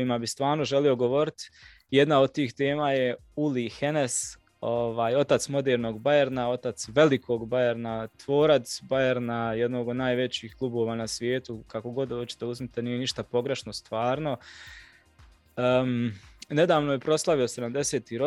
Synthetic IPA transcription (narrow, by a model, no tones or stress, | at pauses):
imabist̪ʋaːɾno̞ʒelio̞ɡo̞ʋo̞ɾit̪ | jed̪naod̪̚t̪iːxt̪e̞ːmaːjeulihene̞s | o̞ʋaːjo̞t̪at̪smo̞d̪eːɾno̞ːɡbajeɾnao̞t̪at̪sʋe̞likʰoɡbajeɾnat̪ʋo̞ːɾat̪sbajeɾnajed̪noːɡo̞d̪naːjʋe̞t͡ɕiːklˠubo̞ːʋaːnasʋje̞ːt̪ukako̞ɡo̞d̪oːt͡ɕi̥t̪euzmit̪eniːje̞niʃt̪apo̞ɡɾe̞ʃno̞st̪ʋaːɾno̞ | ne̞d̪aːʋno̞jepɾo̞slˠaʋiose̞d̪amd̪e̞se̞ːt̪iɾo